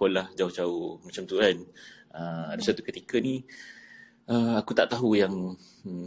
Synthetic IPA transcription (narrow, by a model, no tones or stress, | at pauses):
kolahd͡ʒaut͡ʃaumat͡ʃamt̪uan | əadasat̪ukət̪ikənĩ | əakut̪aʔt̪aɦujaŋ